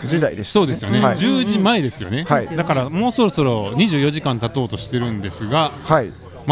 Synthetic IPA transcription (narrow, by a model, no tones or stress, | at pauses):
d͡ʑid̪aḭd̪eso̞ːd̪e̞sɨjo̞ne̞ad͡ʑɨːʑimaed̪e̞sɨjo̞̰ne̞haid̪akaɾamo̞ːso̞ɾo̞so̞ɾo̞ɲ̟iʑɨːjo̞ʑikãnt̪at̪o̞ːt̪o̞ɕi̥t̪e̞ɾɯ̟̃nd̪e̞sɨɡahai | m